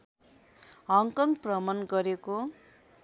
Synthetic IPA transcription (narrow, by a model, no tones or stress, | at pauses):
ɦʌŋkʌŋɡprʌmʌnɡʌɾeko